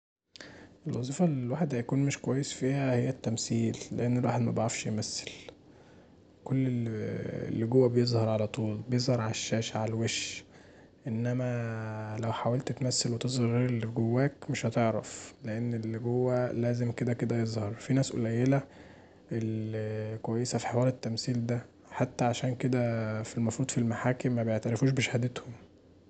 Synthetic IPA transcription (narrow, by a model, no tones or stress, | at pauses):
ʔelwɑzˤiːfɑllwaːħed̪hæjækuːnmeʃkowæjːesfiːhæhejːæt̪ːæmsiːlːeʔenːelwaːħed̪mæbeʕɾɑfʃjemæsːe̥l | kolːḛ | lːɡowːæbejezˤhɑɾˤʕalæt̪ˤuːlbejezˤhɑɾˤʕalæʃːæːʃʕalweʃ | ʔenːæmælæwħawælt̪t̪mæsːælwet̪ezˤɑɾeɾelːɡowːæːkmeʃhɑt̪eʕɾɑfleʔenːelɡowːælæːzemked̪æked̪æjezˤhɑɾˤfinæːsʔo̰læjːelæ | ʔelkowæjːesæfi̥ħewɑːɾet̪ːæmsiːld̪æ | ħat̪ːæʕaʃæːnked̪æfilmɑfɾuːd̪filmaħaːkemːæbejeʕt̪æɾefuːʃ̬beʃhæd̪et̪hom